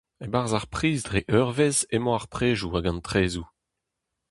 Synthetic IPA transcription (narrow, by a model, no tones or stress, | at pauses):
ebaʁzaʁpχiːzdʁeʔœʁvezemɔ̃aʁpχeːʒuaɡɑ̃ntʁeːzu